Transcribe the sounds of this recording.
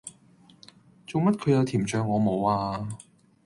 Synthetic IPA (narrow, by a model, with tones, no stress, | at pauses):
t͡so˨wmɐ˥t̚kʰɵ˨˧ɥjɐ˧wt̪ʰiː˨˩mt͡ʃœː˧ŋːɔː˨˧mo˨˧waː˧